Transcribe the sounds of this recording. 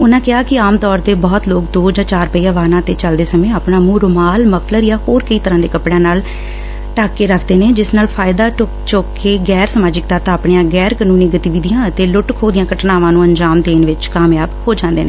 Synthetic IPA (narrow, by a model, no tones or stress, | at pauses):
ʊnãːkɪaːkɪaːmt̪ɔːɾt̪eːbɔːt̪loːkd̪oːd͡ʒãːt͡ʃaːɾpəiːəʋaːnãːt̪eːt͡ʃəld̪eːsəmẽːaːpɳaːmũːɾʊmaːlməpʰləɾjaːɦoːɾkəiːt̪əɾãːd̪eːkəpɽãːnaːl | ʈaːkːeːɾəkʰd̪eːneːd͡ʒɪsnaːlpʰaːɪd̪aː | t͡ʃoːkʰːeːɡɛːɾsəmaːd͡ʒɪk̚t̪aːt̪aːpɳejãːɡɛːɾkːnuːnẽːɡət̪iːʋiːd̪ijãːət̪eːlʊʈkʰoːd̪ɪjãːkəʈnaːʋãːnũːəɲd͡ʒaːmt̪eːnʋɪt͡ʃkaːmjaːbhoːd͡ʒãːnd̪eːnḛ̃ː